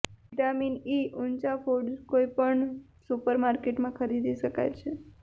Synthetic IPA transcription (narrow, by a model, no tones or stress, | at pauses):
ʋiʈaminiʔunt͡ʃafoɖkoipəɳ | supəɾmaɾkeʈmãkʰəɾid̪ʱiʃəka̰jt͡ʃʰe